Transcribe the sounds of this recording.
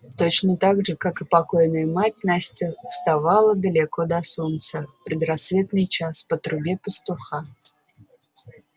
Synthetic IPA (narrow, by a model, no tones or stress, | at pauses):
t̪ot͡ɕnət̪aɡʐɨkakɨpakojnəjəmat̚ʲnasʲtʲɪfst̪avalˠəd̪əlʲɪkod̪ɐsunt̪səpɾʲɪd̪rasːvʲet̪nɨjt͡ɕaspət̪ɾʊbʲepəst̪ʊxa